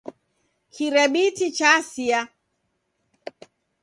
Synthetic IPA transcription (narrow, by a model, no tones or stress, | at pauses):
kʰiɾɛɓitit͡ʃasia